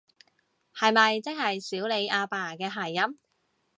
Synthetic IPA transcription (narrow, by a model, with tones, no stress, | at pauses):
hɐ˨jmɐ˨jt͡sɪ˥k̚hɐ˨jsiː˨˥wle˨˧jʔaː˧paː˨˩˨kɛː˧ɦaː˨˩jːɐ˥m